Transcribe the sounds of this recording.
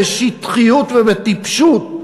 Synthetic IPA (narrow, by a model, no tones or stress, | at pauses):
eʃit̪χijut̪vevɛt̪ipʃut̪̚